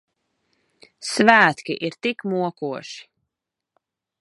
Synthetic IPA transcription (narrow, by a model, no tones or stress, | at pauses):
svæːt̪kʲiʔiɾt̪ikmuɔkuɔʃi̥